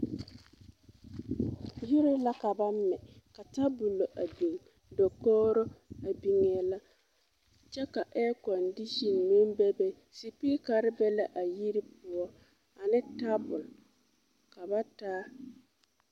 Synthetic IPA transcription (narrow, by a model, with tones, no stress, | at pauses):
ju˦ɾɪ˦la˦ka˨ba˦m˦mɛ˨ka˨ta˦bu˨lo˨ʔa˨bi˨ŋ | dɔ˨kɔː˦ɾɔ˦a˨bi˨ŋ˨ɛ˨la˦ | t͡ʃɛ˦ka˨ʔɛː˦kɔ˨ndi˦ʃɔ˨nnũ˦m˦bɛ˦bɛ˦ | si˨pi˦ka˨ɾɪ˦bɛ˦la˦ʔa˨ji˦ɾi˦pʊ˦ɔ˦ | a˨nɪ˦ta˦bʊ˨l | ka˨ba˦taː˦